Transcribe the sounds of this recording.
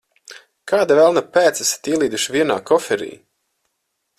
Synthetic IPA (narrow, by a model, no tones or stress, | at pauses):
kaːd̪avɛlˠnapæːt̪sɛsḁt̪iɛlˠiːd̪uʃvʲiɛna̰ːkɔfɛɾḭː